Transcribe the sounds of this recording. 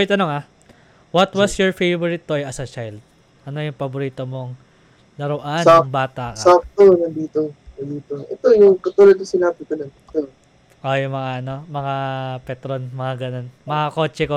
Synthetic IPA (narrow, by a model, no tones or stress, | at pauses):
jt̪ɐnoŋa | wɐt̪wɐsjɔɹfejvoɹɪt̪ːoɐjɐsɐt͡ʃajld̪̚ | ʔɐno̞jʊŋpɐbʊɾiːt̪omoŋ | lɐɾoʔanaŋbaːt̪aksaft̪onɐd̪iːt̪onɐd̪iːt̪oʔɛt̪ojʊŋkɐt̪uːlɐd̪̚nʊsɪnaːbɪk̪onɐnkɐ | ʔojʊŋmɐŋaʔɐno̞mɐŋapɛt̪ɾonmɐŋaɡɐno̞nmɐŋako̞ːt͡ʃɛko